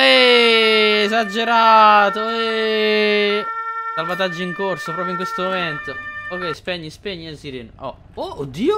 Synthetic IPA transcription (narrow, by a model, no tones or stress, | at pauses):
ɛː | zad͡ʒːeɾat̪oɛe | salvat̪ad͡ʒːoiŋkorsopɾɔːpɾjoiŋkwest̪omoment̪ookːɛjspɛɲːispeɲːiesiɾeːnɔ̰ | ood̪ːiːo